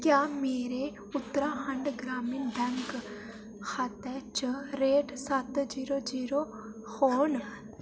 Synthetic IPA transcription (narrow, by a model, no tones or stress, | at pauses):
kjaːmeːɾe | ʊt̪ːɾaɦɐ̃ɳɖɡɾaːmind̪ʱɛ̃ŋk | kʰaːt̪ɛt͡ʃəɾeːʈsɐt̪d͡ʒiːɾod͡ʒiːɾo | hoːn